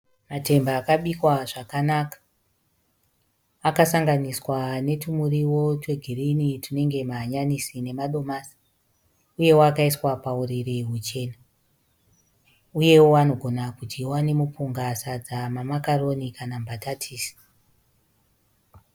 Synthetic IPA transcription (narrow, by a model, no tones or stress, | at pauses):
mate̞mbaːkaɓikwaʐakanakḁ | kasaŋɡaniswane̞tumuriwo̞twe̞ɡʱirinitine̞ŋɡe̞maɲanisine̞maɗo̞maːsi̥ | uje̞woakaiswapauririɦut͡ʃe̞ːna | uje̞woano̞ɡʱo̞nakutiwane̞mupuŋɡasad͡zamamakaro̞nikʰanambatatʰiːsi̥